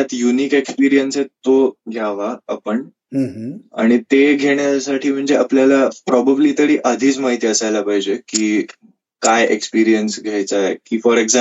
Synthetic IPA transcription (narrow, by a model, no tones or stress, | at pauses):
at̪juniːkekspiɾijənset̪ːoɡʱjaʋaapəɳ | a̰ɽ̃it̪eɡʱeɳjasaʈʰiːm̤əɳd͡zeapljalapɾɔbəbliːt̪əɽiːʔəd̪ʱiːt͡smaɦit̪iːəsajlapaɦjd͡ʑekiː | kajekspiɾijənsɡʱajt͡saḛkiːfɔɾekza